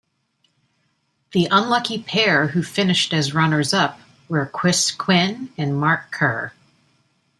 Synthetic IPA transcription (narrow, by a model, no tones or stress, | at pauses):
ðiʔə̃nlʌkipʰɛɹhʉfɪ̃nɨʃtɨzɹʌnə˞zʌp̚ | wə˞kʰw̥ɪskʰw̥ɪ̃nɨ̃nmɑɹkʰɜ˞